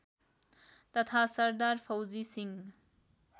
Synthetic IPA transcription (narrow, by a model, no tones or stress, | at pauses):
t̪ʌt̪ʰasʌɾd̪aɾpʰʌwd͡zisiŋ